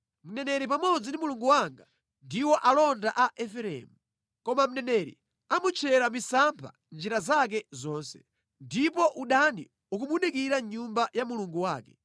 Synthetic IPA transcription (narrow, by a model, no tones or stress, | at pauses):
m̩nɛnɛɾip̬amɔd͡zindimuluŋɡuwaŋɡa | ndiwɔʔalɔndaʔaʔɛfɛɾɛ̰mu | kɔmam̩nɛnɛɾḭ | amut͡ʃʰɛɾamisampʰa̰ | nd͡ʒiɾazak̬ɛzɔːnsɛ̥ | ndipɔʔuɗandḭ | uk̬umunikiɾaɲumbajamuluŋɡuwaːkɛ